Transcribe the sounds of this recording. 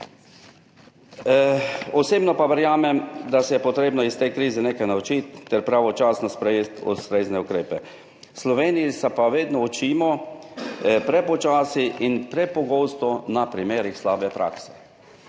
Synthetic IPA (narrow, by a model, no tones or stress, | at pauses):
ɔseːbnɔpaʋɛɾjaːmɛmd̪asɛjɛpɔt̪ɾeːbnɔist̪ejkɾiːzɛneːkajnaut͡ʃit̪ːɛɾpɾaʋɔt͡ʃaːsnɔspɾɛjeːt̪ṵst̪ɾeːznɛukɾeːpɛ | slɔʋeːniisɛpaʋeːd̪nɔɔt͡ʃiːmɔ | pɾɛpɔt͡ʃaːsiʔinpɾɛpɔɡowst̪ɔnapɾimeːɾixslaːbɛpɾa̰ːksɛ̥